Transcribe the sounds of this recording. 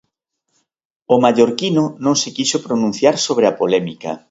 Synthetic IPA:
omaʎoɾkinonõŋsekisopɾonũn̟θjaɾsoβɾeapolɛmikɐ̰

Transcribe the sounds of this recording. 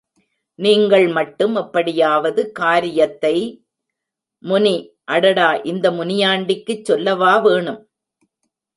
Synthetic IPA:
niːŋɡɐɭmɐʈːɯmɐpːɐɽɪjaːʋɐðɯkaːɾɪjɐt̪ːɐɪ | mʊni | ʔɐɽɐɽaːʔɪnd̪ɐmʊnɪjaːɳɖɪkːɯt͡ʃːɔlːɐʋaːʋeːɳɯm

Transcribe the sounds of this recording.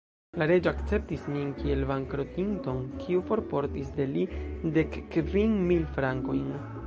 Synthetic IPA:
laɾe̞d͡ʒoakt͡se̞p̚tisminkie̞lvaŋkɾo̞tinto̞nkʰiufo̞ɾpo̞ɾtisd̪e̞lide̞kːviŋmilfɾaŋko̞jn

